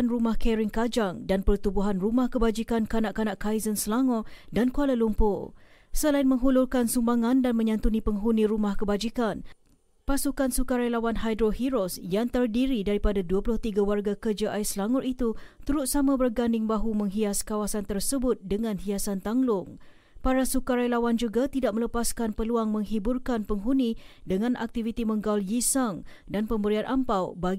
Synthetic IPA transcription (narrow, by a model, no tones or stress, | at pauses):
nrumahkɛɾɪŋkad͡ʒaŋdanpərt̪ubuɦanrumahkəbad͡ʒikankanaʔkanaʔkajzənslaŋɔdankualalumpʊsəlainmə̃ŋɦulʊlkansumbaŋãndanmə̃ɲãnt̪unĩpəŋɦunĩɾumahkəbad͡ʒikan | pasukansukaɾajlawanɦajdɾohiɾɔsjaŋt̪ərdiɾidaɾipadaduəpulʊht̪iɡawarɡakərd͡ʒaʔaislaŋɔrʔit̪ut̪uɾʊt̪̚samãbərɡandɪŋbaɦumə̃ŋɦiaskawasant̪ərsəbʊt̪̚dəŋãnhiasant̪aŋlʊŋ | paɾasukaɾajlawand͡ʒuɡat̪idak̚mələpaskanpəluaŋmə̃ŋɦiburkanpəŋɦunidəŋãnʔa̰k̚t̪ivit̪imə̃ŋɡawljisaŋdanpəmbəɾianʔampawba